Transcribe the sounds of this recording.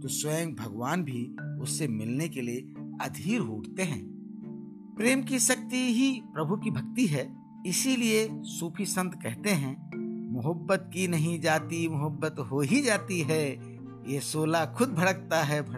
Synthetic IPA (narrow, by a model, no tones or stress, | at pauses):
t̪oːswəjə̃ŋɡ̚bʱɐɡʋaːnbʱiʊsːemɪlnekelieɐd̪ʱiːɾɦoːʈt̪eɦɛ̰̃ː | pɾeːmkiʃɐk̚t̪iɦipɾɐbʱukibʱɐk̚t̪iɦɛː | ɪsiliesuːpʰisə̃nt̪kɛɦt̪eɦɛ̃mʊɦəbːət̪̚kinɐɦĩd͡ʒaːt̪imʊɦəbːət̪ɦoɦid͡ʒaːt̪iɦɛː | jesoːlakʰʊd̪̚bʱɐɽək̚t̪aɦɛbʱɐ